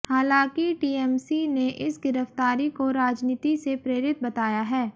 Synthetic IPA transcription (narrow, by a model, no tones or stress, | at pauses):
haːlãːkiʈiːɛːmsineʔɪsɡɪɾəft̪aːɾikoɾaːd͡ʒniːt̪isepɾeːɾɪt̪̚bɐt̪aːjaɦɛː